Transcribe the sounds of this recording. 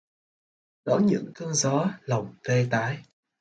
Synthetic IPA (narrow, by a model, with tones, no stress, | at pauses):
ɗɔ˧˦ɲɨ̰˧˥ŋkə˧nzɔ˨˦lə˨˩wŋ͡mt̪e˧t̪aː˨˦j